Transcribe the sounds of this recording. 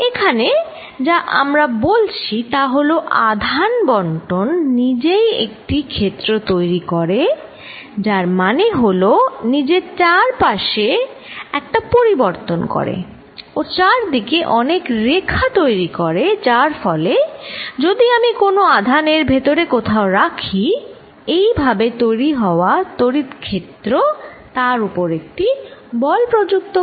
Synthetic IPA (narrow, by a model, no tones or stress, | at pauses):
ekʰane | d͡ʑaʔa̰mɾabolt͡ɕʰit̪aɦoloʔad̪ʱanbɔɳʈonːid͡ʑejḛk̚ʈikʰet̪ːɾot̪ojɾikoɾe | d͡ʑaɾmaneɦolonid͡ʑet͡ɕaɾpaʃeɛk̚ʈapoɾiboɾt̪onko̰ɾḛ | ot͡ɕaɾd̪ikeʔɔnekɾekʰːat̪ojɾikoɾed͡ʑaɾfɔled͡ʑod̪iamikonoad̪ʱaneɾbʱet̪oɾekot̪ʰaoɾakʰi | ejbʱabet̪ojɾiɦɔoat̪oɾit̪kʰːet̪ːɾot̪aɾupoɾek̚ʈibɔlpɾod͡ʑuk̚t̪o